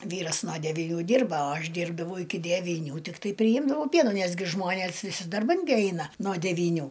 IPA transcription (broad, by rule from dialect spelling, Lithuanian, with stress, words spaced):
ˈʋʲiːrɐs noː dʲɛʋʲɪˈnʲuː ˈdʲɪrbɐ oː ˈɐʃ ˈdʲiːrbdɐʋɐʊ ɪkʲɪ dʲɛʋʲiːˈnʲuː tʲɪkˈtɐɪ pʲrʲɪˈjɪmdɐʋɐʊ ˈpʲiɛnuː ˈnʲɛs ɡʲɪ ˈʒmoːnʲeːs ʋʲɪˈsʲɪ dɐrˈbɐn ɡʲɪ ˈɐɪnɐ noː dʲɛʋʲiːˈnʲuː